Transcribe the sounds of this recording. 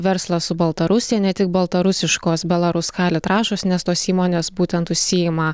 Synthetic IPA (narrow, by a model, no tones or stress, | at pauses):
ʋʲɛɾslˠɐsʊbɐlˠt̪ɐɾʊsʲɪjɛnʲɛt̪ʲɪk̚bɐlˠt̪ɐɾʊsʲɪʃkoːsbʲɛlˠɐɾʊskɑːlʲɪt̪ɾɑːʃoːsnʲɛst̪oːsiːmoːnʲeːsbuːt̪ʲɛnt̪ʊʃʲsʲɪjɪmɐ